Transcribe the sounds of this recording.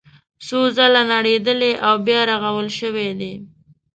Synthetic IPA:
sozalanaɽed̪əleʔawbjɑɾaɣawəlʃəwed̪e

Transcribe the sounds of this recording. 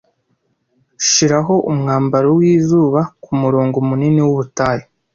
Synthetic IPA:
ʃiɾaɦo̞ʔumŋaːmbaɾowiːzuːβakumuɾoːŋɡomuniniwuβutaːje

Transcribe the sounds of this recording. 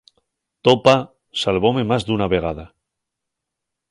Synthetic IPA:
t̪opa | salβo̞me̞mazðunaβe̞ɣ̞aða

